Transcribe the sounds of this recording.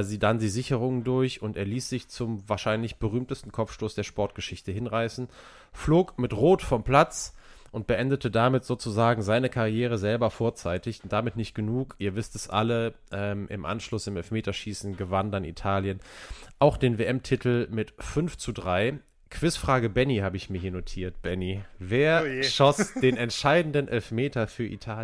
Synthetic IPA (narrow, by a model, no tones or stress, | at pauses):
ziːdandiːzɪçəʁ̞ʊŋəndʊɐçʊnteːɐliːsz̥ɪçt͡sʊmvaːɐʃaɪnlɪçb̥əʁyːmtəstn̩kʰɔp͡fʃtoːsd̥eːɐʃpɔɐt̚ɡ̥əʃɪçtəhɪnʁaɪsn̩ | floːkmɪtʁoːtfɔmpl̥at͡s | ʔʊnt̚b̥əʔɛndətʰədamɪtz̥oːt͡suzaːɡŋ̩zaɪnəkʰaʁjɛːʁ̞əzɛlbɐfoːɐt͡saɪtɪçʊntd̥amɪtnɪçt̚ɡ̥ənuːkʔiːɐvɪstɛsʔa̰lə | ʔɛːmʔɪ̰mʔa̰nʃlʊsɪmɛlfmeːtɐʃiːsn̩ɡəvandanḭtʰaːljənʔaʊxd̥eːnveːʔɛmtʰɪtʰl̩mɪtfʏnft͡sudʁaɪ | kʰv̥ɪsfʁ̥aːɡəbɛnihaːbəɪçmiːɐɦiːɐnotʰiːɐt̚b̥ɛniveːɐʃɔsd̥eːnɛntʃaɪdn̩dənʔɛlfmeːtɐfyːɐʔḭtʰaːl